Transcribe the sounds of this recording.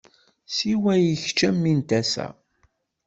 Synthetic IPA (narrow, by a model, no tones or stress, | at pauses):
siwæjiçt͡ʃːæmːint̪æsæ̰